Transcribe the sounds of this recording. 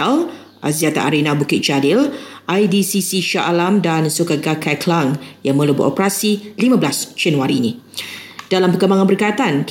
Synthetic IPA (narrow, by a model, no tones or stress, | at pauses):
al | ʔa̰ziat̪a̰ʔaɾenãbukɪt̪̚t͡ʃadɪlʔajdisisiʃaʔalamdansukaɡakʰajkʰlaŋjaŋmə̃lubṵʔɔ̰pəɾasilimãblasd͡ʒanuaɾiːni | d̥alampəkəmbaŋãnbərkajat̪ank